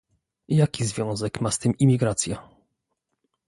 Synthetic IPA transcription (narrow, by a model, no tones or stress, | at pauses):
jakʲizvʲjɔ̃w̃zɛkmast̪ɘmimʲiɡɾat̪sʲja